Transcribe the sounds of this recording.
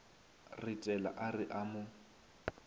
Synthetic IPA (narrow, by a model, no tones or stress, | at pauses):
rɪtʼɛla̰ʔarɪʔamʊ